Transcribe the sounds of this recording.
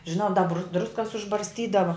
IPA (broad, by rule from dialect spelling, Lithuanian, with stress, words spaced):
ʒʲɪˈnɐʊ dɐ br ˈdrʊskɐs ʊʒbɐrʲsʲˈtʲiːdɐʋɐ